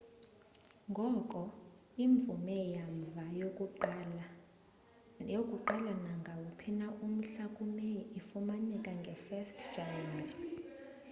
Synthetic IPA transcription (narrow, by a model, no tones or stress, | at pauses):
ŋɡʱɔkʼɔ | iɱb̪vumɛjaɱvajo | jokʼuǃalanaŋɡʱawupʰinaʔum̩ɬakʼumɛifumanɛkʼaŋɡʱɛfɛstʰd͡ʒanɛrɔ